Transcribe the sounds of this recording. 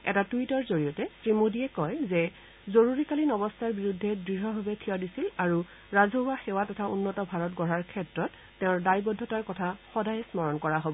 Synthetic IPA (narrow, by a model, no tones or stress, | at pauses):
ɛ̰tatuitɔɹzoɹijɔtɛtɹimodiɛkɔjzɛ | zoɹuɹikalinɔbɔstʰaɹbiɹudʱːɛdɹiɹɦɔɦɔbɛkʰiwadisilaɹu | ɹazʱoɦwaxɛwatɔtʰaunːɔtɔbʱaɹɔtɡɔɹaɹkʰɛtɹɔtːɛʊ̃ɹdajbɔdʱːɔtaɹkɔtʰaxɔdajsmɔɹɔnkɔɹaɦobɔ